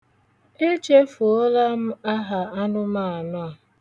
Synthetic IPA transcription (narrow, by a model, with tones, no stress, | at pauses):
e˦t͡ʃe˦fu˨o˦la˦m̩˦a˦ɦa˨a˦nʊ˦ma˦˨a˨nɔ˦a˨